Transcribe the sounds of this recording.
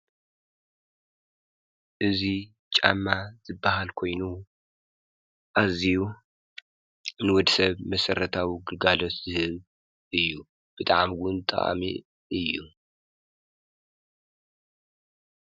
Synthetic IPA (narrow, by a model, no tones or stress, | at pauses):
ʔɨzi | t͡ʃʼa̰mːaz̥ɨbːahalkʰo̞jnu | ʔaziju | nɨwɔd̪sɐβmɐsɐɾɐt̪ʰawiɡɨɡalot̪zɨhɨβ | ʔɨjːu | b̥ɨt̪ʼaʕmɡʊnt̪ʼɐ̰ʔa̰mḭ | ʔɨjːu